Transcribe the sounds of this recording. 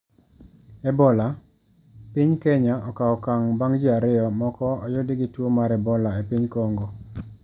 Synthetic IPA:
ɛbɔla | pɪɲkɛɲaɔkaɔkaŋbaŋd͡ʒiaɾɪɔmɔkɔɔjʊdɪɡɪtwomaɾɛbɔlaepiɲkɔŋɡo

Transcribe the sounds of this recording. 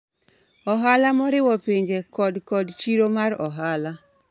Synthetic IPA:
ɔɦalamɔɾɪwɔpeɲd͡ʒekɔdkɔdt͡ʃiɾomaɾɔɦala

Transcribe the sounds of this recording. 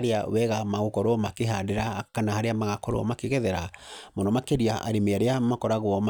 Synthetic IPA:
ɾeawɛɣamaɣokɔɾɔmakeɦadeɾakanahaɾeamaɣakɔɾɔ̰makeɣɛðɛɾamondɔmakeɾiaʔa̰ɾemeaɾeamakɔɾaɣwɔm

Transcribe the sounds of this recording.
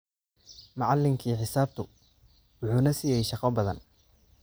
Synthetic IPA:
mɑʕɑlːɪŋkʰiːħɪsaːb̚t̪ʰʊ | wʊħuːnɐsiːjɛjʃɑqɐbɐðɐ̰n

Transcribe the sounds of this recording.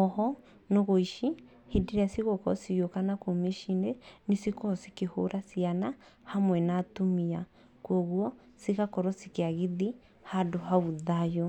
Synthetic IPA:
ɔɦɔ | noɣoiʃi | hediɾasiɣɔkɔ̰sijokanakomeʃinenisikɔsikehoɾʔasiana | hamwɛnatumia | kwɔɣwɔ | siɣakɔɾɔsikeaɣeði | hadoɦauðajɔ

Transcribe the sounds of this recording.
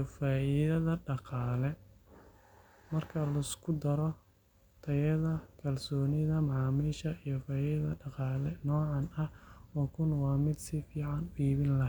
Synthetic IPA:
faːʔiðɐðɐɖɑqɑːlɛ | mɐrkʰɐlɐɪskʰʊd̪ɐɾɔ | t̪ʰɐjɐðɐkʰɐlsɔːnɪðɐmɑʕɑːmiːʃɐijɔfaːiðɐðɐɖɑqɑːlɛnɔːʕɑnɐhɔːkʰʊnwɑːmɪd̪sɪfiːʕɑnʊiːβɪnlɐɦ

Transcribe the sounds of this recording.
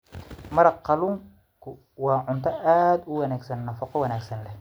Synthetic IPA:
mɐɾɐqːɑluːŋ | kʰʊ | wɑːʕʊnt̪ʰɐʔaːd̪ʊwɐnaːɡsɐnːɐfɑqɔwɐnaːɡsɐnlɛh

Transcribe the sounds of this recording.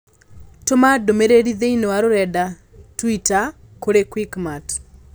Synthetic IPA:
tomadomeɾeɾiðeinowaɾoɾɛda | twita | koɾekwikmat

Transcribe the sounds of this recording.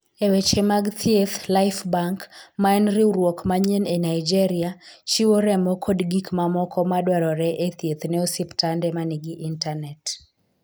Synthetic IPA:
ewet͡ʃemaɡt̪ʰiet̪lajfbaŋkmaɛnɾiuɾwɔkmaɲenɛnaid͡ʒɛɾiat͡ʃiwoɾɛmɔkʰɔdɡikmamɔkʰɔmadwaɾɔɾɛʔet̪ʰjet̪nɛosiptandɛmaniɡiʔintanɛt

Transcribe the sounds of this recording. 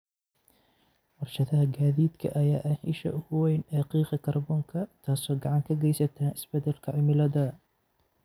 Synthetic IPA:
wɑrʃɐðɐɦɐɡaːðiːd̪kʰɐ̰ʔɐja̰ːʔɐhiʃɐ̰ʔʊɣʊwɛjnɛːqiːqɐkʰɐrbɔːŋkʰɐt̪ʰaːsɔːɡɑʕɑŋkʰɐɡɛjsɐt̪ʰaːnɪsbɛd̪ɛlkʰɐʕɪmɪlɐðɐ

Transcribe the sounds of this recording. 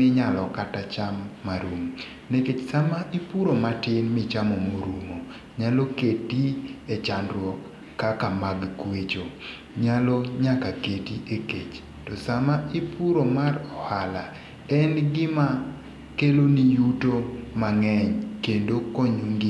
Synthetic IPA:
ɪɲalɔkatat͡ʃamːaɾum | neket͡ʃsamaʔipuɾomatɪnmɪt͡ʃamomoɾumo | ɲaloketiɛt͡ʃandɾwɔkː | akamaɡkwet͡ʃo | ɲalɔɲakaketiʔeket͡ʃ | tɔsamaʔipuɾomarɔhala | ɛnɡɪma | kelonijutomaŋɛɲkendokɔɲuŋɡi

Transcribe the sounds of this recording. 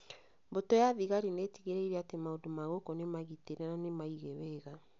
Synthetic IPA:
botojaðiɣaɾineːtiɣeɾeiɾɛatemaodomaɣokɔnemaɣiteɾɛɾanemaiɣɛwɛːɣa

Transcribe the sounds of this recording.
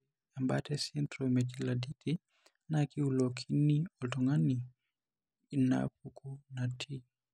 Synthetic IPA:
ambatɛsintɾɔmɛd͡ʒiladiti | nakiulɔkʰinːiɔtɔŋanːi | inːa̰ɸukʰunatʰi

